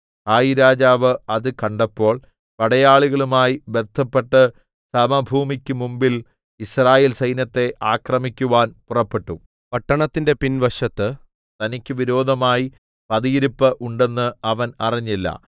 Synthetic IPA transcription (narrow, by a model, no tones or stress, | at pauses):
haːjiɾaːd͡ʑaːʋɨɐðɨkɐɳɖɐpːo̞ːɭ | pɐɽɐjaːɭuɣɐɭumaːjibert̪ʰːɐpːe̞ʈːɐ | sɐmɐbʱuːmikʲːɨmumbil | israːjeːlsɐjnɐt̪ːe̞ʔaːkrɐmikʲːuʋaːnpurɐpːe̞ʈːu | pɐʈːɐɳɐt̪ːinde̞pinʋɐʂɐt̪ːɨ | t̪ɐnikʲːɨʋiɾo̞ːd̪ʱɐmaːji | pɐðijiɾupːɐʔuɳɖe̞nːɨɐʋɐnɐriɲːilːɐ̰